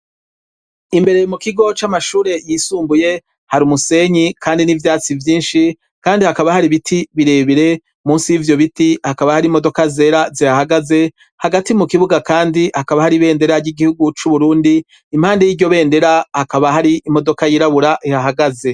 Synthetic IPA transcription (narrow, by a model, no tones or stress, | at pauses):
imbe̞ɾe̞jmukiɡo̞t͡ʃamaʃuːɾe̞jisuːmbuje̞ | haɾumuse̞ɲikʰaːndinivjaːt͡sivjiːnʃi | kaːndihakaβahaɾiβitʰiβiɾe̞ːβiɾe̞ | muːnsijivjo̞βitihakaβahaɾimo̞do̞kaze̞ːɾazihahaɡaze̞ | haɡatimukiβuɡakaːndihakaβahaɾiβe̞ːnde̞ɾaɾɟiɡihuɡut͡ʃuβuɾuːndiː | mhaːndejiːɟo̞βe̞ːnde̞ɾahakaβaɦaɾiːmo̞do̞kajiɾaβuɾaʔihaɦaɡaze̞